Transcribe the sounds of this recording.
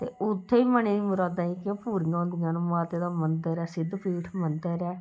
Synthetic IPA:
t̪ḛːʔʊt̪ʰːeːiːməneːimʊɾaːd̪aːikːpuːɾiːãːnd̪ɪjãːnũːmaːt̪eːd̪aːmənd̪əɾɛːsɪd̪pʰiːʈʰmənd̪əɾɛː

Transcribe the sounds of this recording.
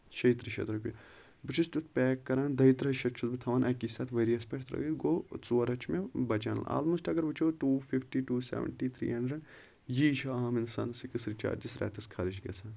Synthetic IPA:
ʃɐit̪ɾiʃɐ̰t̪ɾɐpʲjɐ | bɨt͡ʃʰist̪ut̪ʰpʲɛːkːɐɾaːnd̪ɐit̪ɾɦɐʃɐtt͡ʃʰut̪bɨt̪ʰɐʋaːnɐkiːsɐt̪ʰʋeːɾijɐspʲɐʈʰt̪ɾɐ̰ɡit̪ɡoːt͡suɐɾɐt͡ʃʰmebɐt͡ʃa̰ːnl̰a̰ːlmusʈɐɡɐɾʋɨt͡ʃʰoːʈuːfʰifʈiːʈuːsḛʋə̰ɳʈiːt̪ʰɾḭːɦɐɳɖɾɐɖ | jiːʃɐaːminsaːnsikɨsɾit͡ʃa̰ːɾd͡ʒisɾʔa̰ːt̪ɐskʰɐɾiʃɡʲɐ̰sɐn

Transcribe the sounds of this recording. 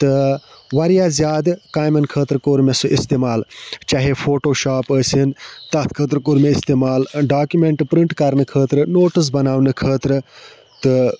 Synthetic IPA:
t̪ɨʋɐɾijaːzʲjaːd̪kaːjmɐnkʰəːt̪ɾkoːɾmesɨʔist̪eːmaːlt͡ʃaɦefʰoːʈoːʃaːpəːsint̪ɐt̪ʰkʰəːt̪ɾkoːɾmeist̪eːmaːlɖaːkjumeɳʈpɾiɳʈkɐɾnɨkʰəːt̪ɾɨnoːʈɨs̬bɐnaːwnɨkʰəːt̪ɾɨ | t̪ɨ

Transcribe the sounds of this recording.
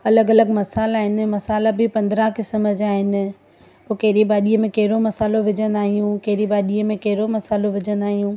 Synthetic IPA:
ɐləɡɐləɡmɐsaːlaːɦɪnɪ̆mɐsaːlabʱɪpɐ̃nd̪ɾãkɪsəməd͡ʑaːɦɪnɪ̆ | poːkɐɦɪɾibaːɗiːəmẽkɐɦɪɾomɐsaːloʋɪd͡ʑə̃nd̪aːɦijũkɐɦɪɾibaːɗiːəmẽkɐɦɪɾomɐsaːloʋɪd͡ʑə̃nd̪aːɦijũː

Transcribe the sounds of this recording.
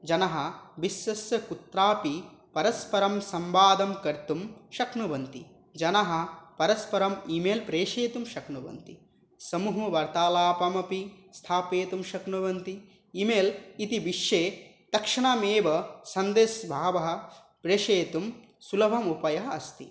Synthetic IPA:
d͡ʒɐnɐɦɐ̆bisːɐsɐkut̪ɾaːpipɐɾɐspɐɾɐmsɐmʋaːd̪ɐmkɐɾt̪umʃɐknuʋɐnt̪ḭ | d͡ʒɐnɐɦɐ̆pɐɾɐspɐɾɐmimeːlpɾeːʂeːt̪umʃɐknuʋɐ̰nt̪i | sɐmuɦɐʋɐɾt̪aːlaːpɐmɐpi | st̪ʰaːpeːt̪umʃɐkɳuʋɐnt̪i | imeːlit̪iʋiʃjeː | t̪ɐkʂɐɳaːmeːʋɐsɐnd̪eːsbʱaːʋɐɦɐ̆ | pɾeːʂeːt̪um | sulɐbʱɐmupɐjɐɦɐɐst̪ḭ

